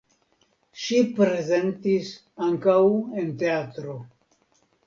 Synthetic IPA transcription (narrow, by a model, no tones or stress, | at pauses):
ʃipɾe̞ze̞ntis | aŋkawe̞nte̞at̪ɾo̞